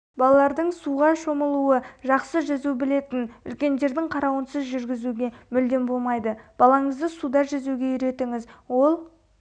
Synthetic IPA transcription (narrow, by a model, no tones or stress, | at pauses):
bɑlˠɑlˠɑɾd̪əɴsuʁɑʃo̞məlˠuwəʒɑqsəʒɑzubɪle̞t̪ɪnʏ̰lkʲe̞nd̪e̞ɾd̪ɪŋqʰɑɾɑwənsəzʒʏɾɡʲɪzuɡʲe̞mʏld̪e̞nbo̞lˠmɑjd̪əb̥ɑlˠɑɴəzd̪əsud̪ɑʒɑzuɡʲe̞jʏɾe̞t̪ɪŋɪzwo̞lˠ